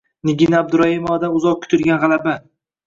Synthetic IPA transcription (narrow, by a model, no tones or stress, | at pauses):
nɪɡʲinaab̚d̪ʊɾahɪmɒad̪anʊzɒq̚kʲʰʊ̥t̪ʰʊɾɡʲanʁɑlaba